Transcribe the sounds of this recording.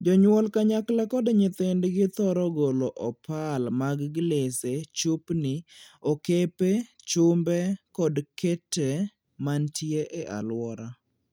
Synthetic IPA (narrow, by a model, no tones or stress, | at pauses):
d͡ʒɔɲwɔlkaɲaklakɔdɲɪt̪endɡɪt̪ɔɾɔɡoloʔɔpalmaɡɡleset͡ʃupnɪokepet͡ʃʊmbɛkɔdkʰete | mantjeʔeʔa̰lwɔɾa